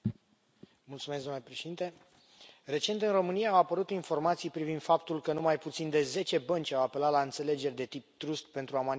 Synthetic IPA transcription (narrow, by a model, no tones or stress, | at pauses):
mult̪sumesd̪omnlepɾeʃed̪int̪e̞ | re̞t͡ʃe̞nt̪ɨnro̞mɨnijaːwapəɾut̪info̞rmat̪sijpɾivind̪̥fapt̪ulkənumajput̪sind̪e̞ze̞t͡ʃe̞bənt͡ʃʲawape̞lat̪laɨnt̪se̞le̞d͡ʒe̞rʲd̪e̞t̪ip̚t̪ɾust̪pe̞nt̪ɾuaman